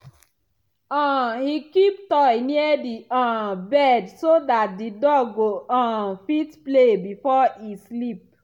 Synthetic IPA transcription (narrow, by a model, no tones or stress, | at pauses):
ɔ̃hikip̚tɔjniədiɔ̃bɛdsodat̚didɔɡɡoɔ̃fitplebifɔislip̚